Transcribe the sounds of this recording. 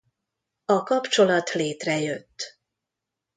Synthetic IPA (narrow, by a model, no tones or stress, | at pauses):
ɒkɒpt͡ʃo̞lɒt̪leːt̪rɛjø̞t̪ː